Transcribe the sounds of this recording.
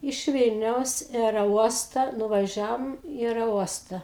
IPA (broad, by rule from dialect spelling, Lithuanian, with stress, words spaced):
ɪʃ ˈʋʲiːlʲnʲɛʊs ɪ ɐɛrʲɛˈuɔstɐ nʊʋɐˈʒʲæːʋoːm ɪ ɐɛrʲɛˈuɔstɐ